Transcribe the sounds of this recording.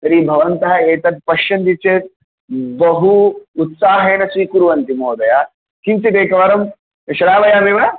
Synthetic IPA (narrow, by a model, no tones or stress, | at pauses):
sɐɾiːbʱɐʋɐnt̪ɐɦɐeːt̪ɐt̪̚pɐʃɐnd̪it͡ʃeːt̪̚ | bɐɦuːt̪saːɦeːnɐsiːkuɾʋɐnt̪imoːd̪ɐja | kimsid̪eːkɐʋɐɾɐm | ɐʃɐɾaːʋɐjaːmiʋɐ